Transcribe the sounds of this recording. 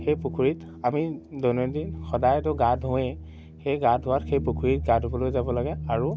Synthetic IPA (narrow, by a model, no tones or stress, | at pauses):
xejpukʰuɹit | amidɔnɔndinxɔdajtʊɡadʱɦũɛ | xejɡadʱɦʊwatxejpukʰuɹit̚ɡadʱobɔlojzabɔlaɡɛaɹu